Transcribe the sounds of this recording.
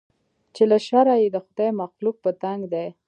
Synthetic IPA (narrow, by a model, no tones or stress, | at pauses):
t͡ʃelaʃaɾajed̪əxʊd̪ajmaqlub̚pːət̪aŋɡd̪e